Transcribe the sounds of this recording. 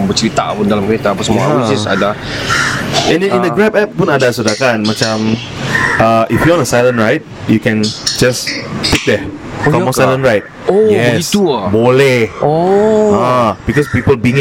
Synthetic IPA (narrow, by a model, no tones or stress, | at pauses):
bət͡ʃɾit̪a̰ʔpũndalamkəɾet̪aːpasəmud͡ʒasa̰da | ɛ̃nɛ̃nĩndəɡɹɛpɛp̚pũnadasudakãnmat͡ʃãm | ʔaʔifjuɔ̃nəsajlə̃nɹajt̚ | jukɛ̃nd͡ʒaspik̚dɛ | kɔmɔ̃sajlə̃nɹajt̚ | ojɛist̪ubolɛhoab̥ikɔspipəlbĩŋ